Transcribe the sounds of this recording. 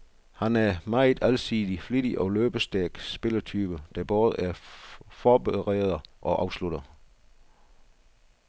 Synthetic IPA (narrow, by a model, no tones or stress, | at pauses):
hænæɐmɑ̈ɪd̥ˠælsiːð̥ˠifliɾ̥iʔɒ̽løːb̥əsd̥æɐɡ̥sb̥e̝lɐt͡sʰyːb̥əd̥æb̥ɔːð̞ˠʔæɐfɒːb̥eʁḛːð̞̩ˠʔɒ̽ʔɑ̈ʊsluɾ̥ɐ